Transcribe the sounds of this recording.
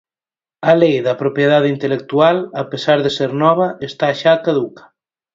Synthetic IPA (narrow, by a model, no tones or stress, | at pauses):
alejðɐpɾopjeðaðint̪elek̚t̪ualapesaɾðeseɾnɔβ̞ɐest̪aʃaːkaðukḁ